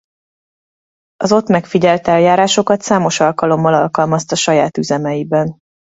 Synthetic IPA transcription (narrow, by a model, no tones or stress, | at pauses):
ɒzo̞t̪mɛkfiɟɛlt̪ɛljaːɾaːʃo̞kɒt̪saːmo̞ʃɒlkɒlo̞mːɒlɒlkɒlmɒst̪ɒʃɒjaːt̪yzɛmɛjibɛn